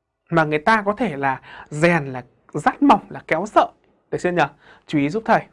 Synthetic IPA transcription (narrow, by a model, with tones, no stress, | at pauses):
maː˨˩ŋɨ˨˩ə˩jt̪aː˧kɔ˨˦t̪ʰe˧˩laː˨˩zɛ˨˩nlaː˨˩ | zaː˦˥t̚ma˨˩wŋ͡mlaː˨˩kɛ˨˦wsə̰ː˧˨ | ɗəː˨˩si˧əɲə˨˩ | t͡ɕu˧i˨˦zu˦˥p̚t̪ʰə˨˩j